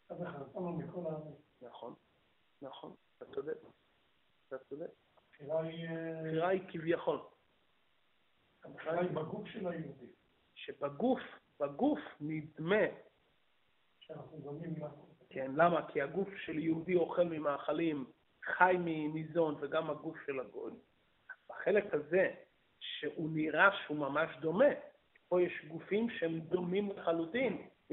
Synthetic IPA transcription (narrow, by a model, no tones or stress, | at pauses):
aveχaonmikolaminaχo̞̰nː | aχo̞̰nat̪at͡sod̪e | at̪at͡sod̪e | afiʁaiχiʁaikivjaχo̞l | aχiʁaaibaɡufʃelajeud̪i | ʃebaɡufbaɡufnid̪me̞ | nauonimkenlamakʰiaɡufʃeljehud̪io̞χe̞lmimaːχalim | χajminizo̞nveɡamhaɡufʃelaɡo̞̰j | baχe̞lekhaze̞ | ʃeʔuniʁaʃeumamaʃd̪o̞me̞ | ki̥po̞jeʃɡufimʃehemd̪o̞mimleχalut̪imn